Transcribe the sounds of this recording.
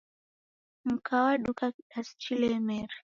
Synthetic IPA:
m̩kawaɗukaɗast͡ʃilɛmɛɾ

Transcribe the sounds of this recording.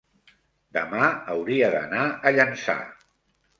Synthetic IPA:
d̪əmaəwɾiəðə̰naəʎənsa̰

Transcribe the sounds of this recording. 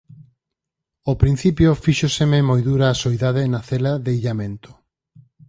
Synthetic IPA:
opɾin̟θipjofiʃosememojðuɾaːsoiðaðenaθelaðeiʎamẽnt̪ʊ̥

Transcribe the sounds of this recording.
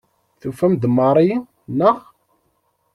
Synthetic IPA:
θufæmd̪mɑɾˤi | nəʁ

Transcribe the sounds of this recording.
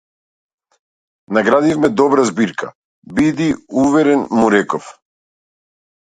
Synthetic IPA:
naɡɾad̪ifmɛd̪ɔbɾazbiɾka̰ | bid̪iuvɛɾɛnmuɾɛkɔf

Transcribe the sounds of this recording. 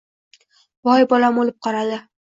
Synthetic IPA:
bɒjbɒlamolɪp̚qʰɒɾad̪ɪ

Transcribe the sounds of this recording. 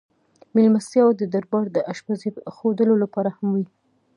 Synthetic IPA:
milmast̪jɑwd̪əd̪aɾbɑɾd̪əʔaʃpazixod̪əlolapɑɾahamwi

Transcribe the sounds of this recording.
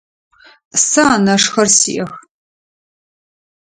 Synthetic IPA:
saːnɐʂxɐrsḭʔɐx

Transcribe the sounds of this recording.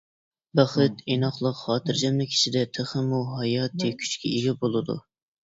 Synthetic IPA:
bæχɨt̪enɑχlˠəqχɑːt̪ɨɾd͡ʒɛmlɪkʲʰi̥ʃid̪ɛt̪ʰəχɨmuɦɑjɑːt̪ʰɨkʲʰy̥t͡ʃkʲɛiɡʲɛbolˠɨd̪ṵ

